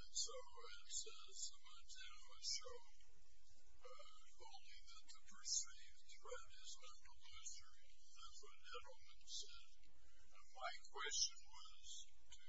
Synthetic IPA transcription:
ɨ̃nsoʊ | ɪ̃nsɛz̥sʌmʌtɨɾ | ɨʃoʊ | õʊ̃nliðɨt̪ʰɨpʰə˞siv̥θɹ̥ɛɾɪznɛ̃təlɪsə˞i | ðætswʌɾd͡ʒɛ̃nl̩ˠmɨ̃nsɛz̥ | maɪkʰw̥ɛst͡ʃɨ̃nwʌ | z̥ | tʰɨ

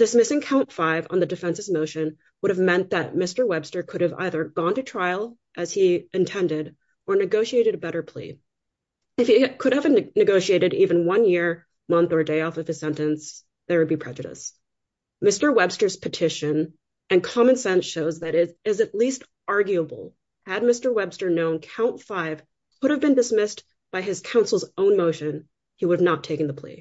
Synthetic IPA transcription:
d̥ɨsmɪsɪ̃ŋkʰãʊ̃ntfaɪvn̩ðɨdɨfɛ̃nsɨzmoʊʃɨ̃n | wʊɾɨvmɛ̃nðɨt̚mɪstə˞wɛb̥stə˞kʰʊɾɨva̰ɪðə˞ɡɔ̃ntɨtʰɹ̥aɪl̩ˠ | ʔɨz̥iɨ̃ntʰɛ̃ndɪɾ | ʔə˞nɨɡoʊʃieɪɾɨɾɨbɛɾə˞pʰl̥ḭ | ɨfikʰʊɾɨvnɨɡoʊʃieɪɾɨɾivɨ̃nwʌ̃njɪɹ | mʌ̃nθə˞deɪɔfʌv̥ɨz̥sɛ̃ntɨ̃ns | ðə˞wɨd̚bipʰɹ̥ɛd͡ʒɨɾɨ̰s | mɪstə˞wɛb̥stə˞z̥pʰɨtʰɪʃɨ̃n | ɨ̃nkʰɑmɨ̃nsɛ̃nsʃoʊzðɨɾɪɪzɨtˡlist | ɑɹɡjʉəbl̩ˠ | ɨd̚mɪstə˞wɛb̥stə˞nõʊ̃nkʰãʊ̃ntfaɪv̥ | kʰʊɾɨvbɨ̃ndɨsmɪs | b̥aɪɨz̥kʰãʊ̃nsl̩ˠzõʊ̃nmoʊʃɨ̃n | iwʊɾɨvnətʰːeɪkɨ̃n̩ðəpʰl̥ḭ

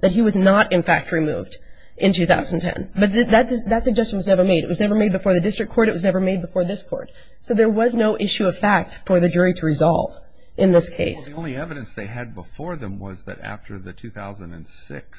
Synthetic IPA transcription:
ðɨt̚ɦiwʌznəɾɨ̃nfæk̚t̚ɹimṵvd | ʔɨ̃ntʰʉθaʊzn̩tʰɛ̰̃nbʌt̪̚ðɨðɨt̚ðɨtsɨɡ̚d͡ʒɛst͡ʃn̩wʌznɛvə˞meɪɾɨ̰ʔ̚wʌznɛvə˞meɪd̚bɨfɔɹðɨdɪstɹ̥ɨkʰɔɹɾɨt̚wʌznɛvə˞meɪd̚bəfɔɹðɪskʰɔ̰ɹt̚ | soʊðə˞wʌznoʊʔɪʃʉʌv̥fæk̚tfə˞ðɨd͡ʒʊɹiɾʰəɹɨzɑ̰lˠv̥ | ʔɨ̃nðɪskʰeɪssõʊ̃nliɛvɨɾɨ̃nsðeɪɨd̚bəfɔɹðɨ̃mwʌ̰zðɨ̰ɾæ̰ftʰə̰˞ðɨtʰʉθaʊzə̃n̩dɨ̰̃nsɪ̰ks

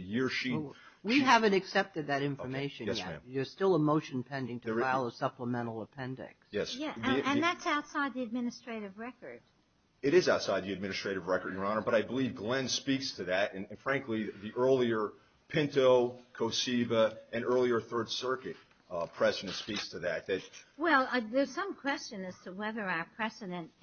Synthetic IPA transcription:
jɪɹʃi | wwiɦævɨ̃ntɨksɛp̚tɨd̪̚ðɨɾɪ̃ɱfə˞meɪʃɨ̃njɛsmæ̰̃mjə˞stɪlˠəmoʊʃɨ̃n̩pʰɛ̃ndɪ̃ŋtʰəəaɪlˠʌ̥sʌpləmɛ̃ɾ̃l̩ˠəpʰɛ̃ndɪ̰ksjɛsæɨ̃nðætsaʊtsaɪd̪̚ðiɨd̚mɪnɨstɹ̥eɪɾɨvɹɛkə˞d̥ | ɨɾɨzaʊtsaɪd̪̚ðiɨd̚mɪ̃nɨstɹ̥eɪɾɨvɹɛkə˞d̚jə˞ɑ̃nə˞bʌɾaɪbəlivɡlɛ̃nspikstʰɨðɨɾɨ̃nɨ̃nfɹæ̃ŋkliðiʔɜ˞lˠiə˞ | pʰɪ̃ntoʊkʰoʊsivəɨ̃nɜ˞lˠiə˞θɜ˞d̥sɜ˞kɨt̚ | pʰɹ̥ɛzɨɾɨ̃ntspikstʰɨðɨt̪̚ðɨt̚wɛlˠðə˞z̥sʌ̃mkʰw̥ɛst͡ʃɨ̃nɨz̥tʰəwɛðə˞aə˞pʰɹ̥ɛzɨɾɨ̃nt

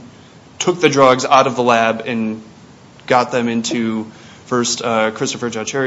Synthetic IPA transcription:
tʰʊk̚ðɨdɹʌɡzaʊɾʌvðəlæbɨ̃n | ɡ̥ɑt̪̚ðɨ̃mɪ̃ntʰʉ | fɜ˞stʌkʰɹ̥ɪstɨfə˞d͡ʒɑt͡ʃʰɛɹ

